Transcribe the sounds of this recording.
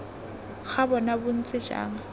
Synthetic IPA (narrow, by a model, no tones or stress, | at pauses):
ɣabɔnabʊn̩t͡sʼɪd͡ʒa̰ːŋ̩